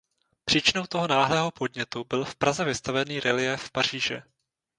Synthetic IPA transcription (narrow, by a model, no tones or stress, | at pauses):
pr̥iːt͡ʃɪno̞wt̪o̞ɦo̞naːɦlɛːɦo̞po̞dɲɛt̪ubɪlfpɾazɛvɪst̪avɛniːɾɛlɪjɛfpar̝̥iːʒɛ̰